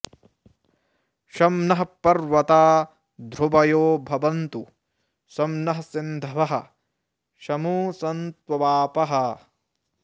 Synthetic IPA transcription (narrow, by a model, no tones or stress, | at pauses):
ʃɐmnɐɦɐpɐɾʋɐt̪aː | d̪ʱɾubɐjoːbʱɐʋɐnt̪u | sɐmnɐɦɐsind̪ʱɐʋɐɦɐ̰̆ | ʃɐmuːsɐnt̪ʋɐʋaːpɐɦɐ